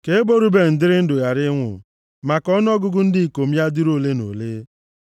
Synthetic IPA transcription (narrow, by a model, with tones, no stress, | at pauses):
ke˨e˦bo˦ɾu˦be˦n̩˨dɪ˦ɾɪ˦n̩˦dʊ˨ja˨ɾɪ˦ŋʷʊ̰˨ | ma˨kɔ˦n˦ɔ˦ɡʊ˦ɡʊ˦n̩˦dɪ˦i˨ko˨m̩˦ja˦di˦ɾo˦˨le˦no̰˨le˦